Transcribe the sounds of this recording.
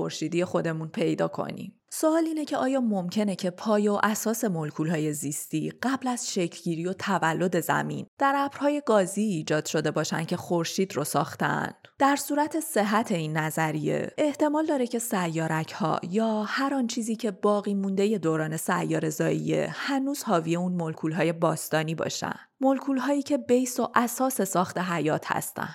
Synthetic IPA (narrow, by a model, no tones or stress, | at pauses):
o̰ɾʃiːd̪ije̞xo̞d̪e̞munpʰe̞jd̪ɒ̰ːkʰo̞̰nḭm | soɒːliːnecʰe̞ʔɒːjɒːmo̞mcʰe̞ne̞cʰe̞pʰɒːjeoʔæsɒːse̞molkʰuːlɦɒːje̞zist̪iːɢ̥æblæz̥ʃecʰlɟiːɾiːjo̞t̪ʰævælːo̞d̪e̞zæ̰mḭːnd̪̥æɾæbɾ̥hɒːje̞ɡɒːziːd͡ʒɒːd̪̥ʃo̞d̪e̞bɒːʃænd̪cʰe̞xoɾʃiːd̪rosɒ̰ːxt̪ḛn | d̪̥æɾsuːɾæt̪ʰe̞se̞ɦæt̪ʰe̞iːnːæzæɾije̞̰eht̪e̞mɒːld̪ɒːɾe̞cʰe̞sæjːɒːɾæcʰhɒ̰ːjɒːhæɾɒːnt͡ʃʰiːziːcʰe̞bɒːɣiːmund̪e̞je̞d̪oɾɒːne̞sæjːɒːɾe̞zɒːḭje̞̰hænuːz̥hɒːvije̞unmo̞lkʰuːlɦɒːje̞bɒːst̪ɒːniːbɒ̰ʃæ̰nd̪̥molkʰuːlɦɒːiːcʰe̞bejso̞ʔæsɒːse̞sɒːxt̪e̞ɦæjɒːt̪ʰhæ̰st̪æ̰nd̥